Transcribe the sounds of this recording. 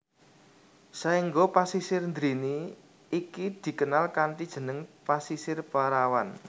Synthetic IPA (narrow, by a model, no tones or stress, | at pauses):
saiŋɡopasisɪrnd̪ɾini | ikid̪̥i̤kənalkanʈid̥ʒ̥ə̤nəŋpasisɪrpaɾawan